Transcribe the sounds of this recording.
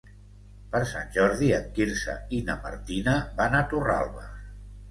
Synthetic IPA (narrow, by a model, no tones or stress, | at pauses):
pəɾsanʲʒɔɾðiət̪kiɾsə̰inəma̰ɾt̪inəbanat̪ura̰lˠβə̰